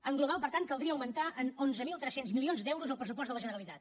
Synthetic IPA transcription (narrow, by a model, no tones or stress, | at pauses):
əŋɡluβ̞alˠpəɾt̪ant̪̚kəlˠd̪ɾiəːwmənt̪aʔənonzəmilˠt̪ɾɛsenzmilionzd̪ɛwɾuzəlˠpɾəs̬up̬ɔst̪ələʒənəɾəlit̪at̪̚